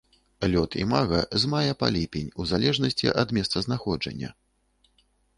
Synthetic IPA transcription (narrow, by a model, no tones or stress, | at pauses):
lʲɔt̪ʰḭmaɣɐzmajɛpa̰lʲipʲɛnʲuzalʲɛʐnɐsʲt͡sʲḭʔɐd̪mʲɛst̪sɐznaxɔd͡ʐɐ̰nʲːɐ̰